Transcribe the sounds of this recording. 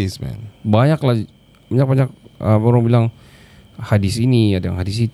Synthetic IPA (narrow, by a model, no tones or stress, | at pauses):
ismɛ̰nbaɲakla | baɲak̚baɲak̚əməɾɔŋbilaŋ | hadisiniadaja̰ŋɦhadis̬it̪